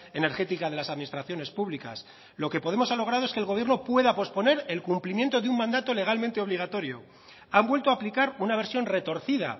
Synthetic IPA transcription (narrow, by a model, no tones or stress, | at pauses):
e̞ne̞ɾxe̞t̪ikaðe̞lasaðminist̪ɾaθjo̞ne̞spuβlika̰s | lo̞kepo̞ðe̞mo̞salo̞ɣ̞ɾaðoeskelɣo̞β̞jernopwe̞ðapo̞spo̞ne̞ɾe̞lkumplimje̞nt̪o̞ðeummãnd̪at̪o̞le̞ɣ̞almẽ̞nt̪e̞o̞βliɣat̪o̞ɾjo̞̰ | ambwe̞lt̪oaːplikaɾunaβ̞e̞ɾsjo̞nre̞t̪o̞ɾθið̞a̰